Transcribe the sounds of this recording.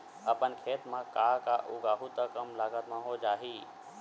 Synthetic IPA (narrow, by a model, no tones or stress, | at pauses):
əpənkʰeːt̪mãkaːkaʔʊɡaːɦut̪əkəmlaːɡət̪mãɦod͡ʒaːɦiː